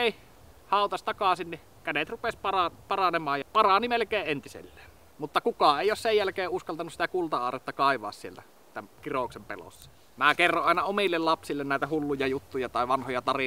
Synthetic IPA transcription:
eˑi | hɑˑot̪ɑsʲt̪ɑkɑsinni | kænet̪rupespɑrɑpɑrɑnemˑɑːjjɑpɑrɑnimelkeːʔʔent̪isḛlːe̥ːn | mut̪ːɑkukɑeˑijoˑssejjælkeːʔʔuskɑlt̪ɑnusit̪ækult̪ɑɑːret̪ːɑkɑˑiʋˑɑ̰ːssielt̪æ | t̪æmkiroksempḛlo̰sːɑ̥ | mækerːoʔɑˑenɑomilːellɑpsilːennæˑet̪æhulːujɑjut̪ːujɑt̪ɑˑeʋɑnhojɑt̪ɑri

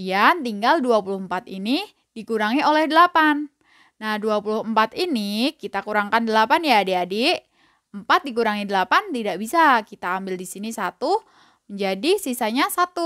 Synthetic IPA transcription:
ijant̪iŋɡalduapulʊhmpat̪ini | d̥ikuɾaŋiolɛhdəlapanː | ahduapulʊhəmpat̪inikit̪akuɾaŋkandəlapanjadeade | əmpat̪̚dik̬uɾaŋidəlapant̪idaʔbisakit̪aːmbɪldisinisat̪u | məɲd͡ʒadisisaɲasat̪u

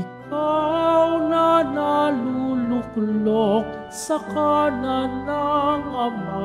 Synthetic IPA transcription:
kawnanalulʊklok̚ | sakananaŋɐma

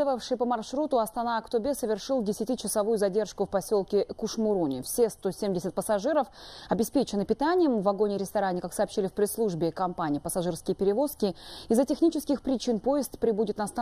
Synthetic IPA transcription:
əvəfʂɨjpəmɐrʂɾut̪ʊɐst̪ɐnaɐkt̪ʊbʲesəvʲɪrʂɨlˠdʲɪsʲɪtʲit͡ɕɪsɐvujʊzɐdʲe̞rʂkʊfpɐsʲo̞lˠkʲɪkʊʂmʊɾunʲɪ̰fsʲest̪o̞sʲemʲdʲɪsʲɪt̪̚pəsɐʐɨɾəfɐbʲɪspʲet͡ɕɪnɨpʲɪt̪anʲɪjəmvɐɡo̞nʲɪɾʲɪst̪ɐɾanʲɪkaksɐːpɕːilʲɪfpɾʲɪslˠuʐbʲɪkɐmpanʲɪjːpəsɐʐɨrskʲɪjəpʲɪɾʲɪvo̞skʲɪizːətʲɪxnʲit͡ɕɪskʲɪxpɾʲɪt͡ɕinpo̞jɪst̪pɾʲɪbudʲɪt̪nɐst̪a

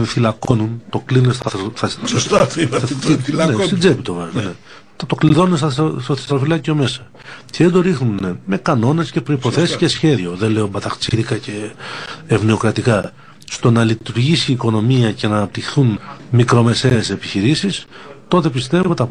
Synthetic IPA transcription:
θilɐko̞nunt̪o̞klinunest̪ɐθɐ | nesid͡zepit̪ovɐznne | t̪o̞kliðo̞nunest̪ɐst̪oθesɾofilɐcio̞me̞sɐ̥ | ceðed̪o̞ɾixnuneme̞kɐno̞ne̞sce̞pɾo̞ipo̞θe̞siisce̞sçe̞ðio̞ðenle̞o̞bɐt̪ɐxt͡siðikɐce̞ː | vneo̞kɾɐt̪ikɐ | st̪o̞nɐlit̪uɾʝisiːko̞no̞miɐcenɐnɐp̚t̪ixθunmikɾo̞me̞seːse̞piçiɾisist̪o̞t̪e̞pist̪e̞vot̪ɐ

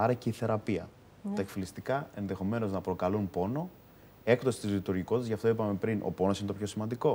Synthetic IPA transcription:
ɐɾɐceiθe̞ɾɐpiɐ̰ | t̪ɐekfilist̪ikɐenðe̞xo̞me̞no̞znɐpɾo̞kɐlunpo̞no̞ | e̞kt̪o̞sit̪izlit̪uɾʝiko̞t̪ezʝɐft̪o̞ipɐme̞pɾinʔo̞̰po̞no̞sinet̪pço̞simɐnd̪iko̞

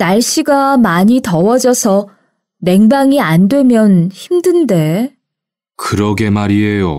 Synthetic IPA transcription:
naɭɕ͈iɡamaɲitʌwʌd͡ʑʌsʰʌ | ne̞ŋbaŋiandwe̞mjʌnçimdɯnde̞ | kɯɾʌɡe̞maɾiejo

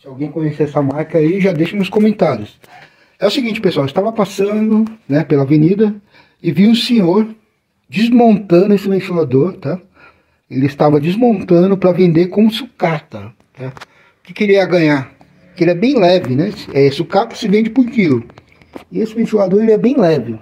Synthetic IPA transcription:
sɪawɡẽj̃kõɲeseɛsɐmaɾkɐiʒad̪ejʃɐm̃skõmẽnt̪aɾjʊs | ɛʊsɪɡĩnt͡ʃɪ̥pesuawɪst̪avɐpasɐ̃d̪ʊnɛpelɐavenid̪ɐ | ɪviʊ̃sẽɲoɾ | d͡ʒɪzmõnt̪ɐ̃d̪ʊesɪvẽt͡ʃilad̪oɾt̪a | elɪɪst̪avɐd͡ʒɪzmõnt̪ɐ̃nd̪ʊpɾɐvẽnd̪ekõmʊsʊkat̪ɐ | t̪a | kɪ̥keɾiɐɡɐ̃ɲaɾ | kɪelɪɛbẽj̃lɛvɪnɛsɛesɪʊkat̪ɐ̥sɪvẽd͡ʒɪpuɾkilʊ | ɪesɪvẽt͡ʃilad̪oɾelɪɛbẽj̃lɛvɪ

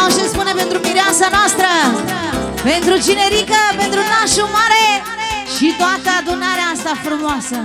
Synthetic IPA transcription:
aʃespunẽpẽnt̪ɾʊmiɾjãnsɐnɔst̪ɾɐ | pẽnt̪ɾʊd͡ʒineɾikɐpẽnt̪ɾʊnaʃumaɾe | ʃit̪wat̪ɐd̪unaɾeãst̪ɐfɾumɔsɐ

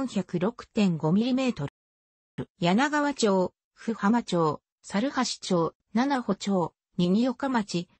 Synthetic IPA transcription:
ɰ̃çakɯ̟ɾo̞kɯ̟̥t̪ẽ̞ŋɡo̞mʲiɾʲime̞ːt̪o̞ɾ | ɯjanaɡaβat͡ɕo̞ː | ɸɯ̟hamat͡ɕo̞ː | saɾɯ̟haɕi̥t͡ɕo̞ː | nanaho̞t͡ɕo̞ː | ɲiɲ̟ijo̞kamat͡ɕi

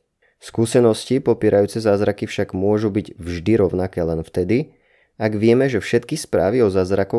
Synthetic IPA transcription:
skuːsɛnɔscipɔpɪɛːɾajuːt͡sɛzaːzɾakifʃaɡmʊɔʒubiɟvʒd̪iɾɔʊnakɛːlɛnft̪ɛd̪i | aɡʋɪɛmɛʒɛfʃɛt̪kispɾa̰ːʋiɔzaːzɾakɔ

